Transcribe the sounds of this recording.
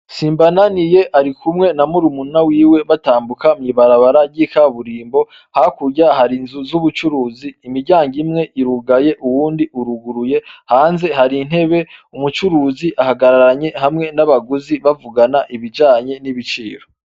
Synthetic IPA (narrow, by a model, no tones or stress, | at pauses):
siːmbananijeʔaɾikʰumŋe̞namuɾumunawiːwe̞βataːmbukamɲiβaɾaβaɾaɟikaβuɾiːmbo̞ | hakuɾjahaɾinzuzuβut͡ʃuɾuːziːmiɾɟaːŋɡimŋe̞ʔiɾuɡaje̞ʔuwuːndiuɾuɡuɾuje̞haːnze̞haɾin̥he̞βe̞umut͡ʃuɾuːziʔahaɡaɾaɾaɲe̞hamŋe̞naβaɡuziβavuɡanaʔiβid͡ʒaːɲe̞niβit͡ʃḭːɾo̞